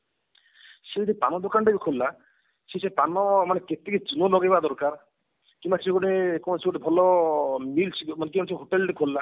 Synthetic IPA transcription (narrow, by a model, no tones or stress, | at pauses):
sed̪ipanɔd̪okanʈebikʰolːa | sesʰepanɔmaneket̪eked͡ʒunolɔɡejbad̪ɔɾkaɾ | kĩmbasʰeɡoʈekɔseɡoʈebʱɔlɔmilt͡ʃʰmanek̬imbasʰeɦoʈelʈekʰolːa